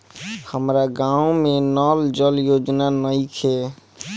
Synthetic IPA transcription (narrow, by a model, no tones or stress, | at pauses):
həmɾaɡãũmenɔld͡ʒəljod͡ʒnanəɪkʰe